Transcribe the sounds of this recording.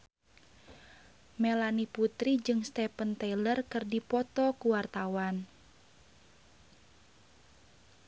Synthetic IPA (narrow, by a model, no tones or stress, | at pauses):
melaniput̪ɾid͡ʒɨŋst̪ɛpənt̪ɛjlərkɨrdipɔt̪ɔkuwart̪awan